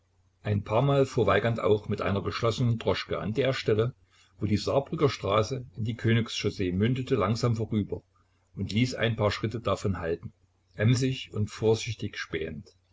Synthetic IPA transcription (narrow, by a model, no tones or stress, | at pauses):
ʔaɪnpʰaːɐmaːlfoːɐvaɪɡɐntʔa̰ʊxmɪtʔa̰ɪnɐɡəʃlɔsənəndʁɔʃkəʔa̰ndeːɐʃtɛlə | voːdiːzaɐbʁʏɡɐʃtʁ̥aːsəɪndiːkʰøːnɪksʃozeːmʏndətəlaŋzaːmfoːʁyːbɐ | ʔʊntliːsʔa̰ɪnpʰaːɐʃʁ̥ɪtədafɔnhaltn̩ | ʔɛmzɪçʊntfoːɐzɪçtɪçʃpɛ̰ːənt